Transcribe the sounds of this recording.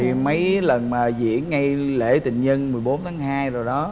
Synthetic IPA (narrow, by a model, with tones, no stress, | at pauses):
i˨˩mə˨˦jlə˨˩nmaː˨˩zḭ˧˥ənːa˧jlḛ˧˩˥t̪ï˧˨˩ŋɲə˧nmɨ˨˩əjɓo˨˦nt̪ʰaː˨˦ŋhaː˧jzo˨˩jɗɔ˨˦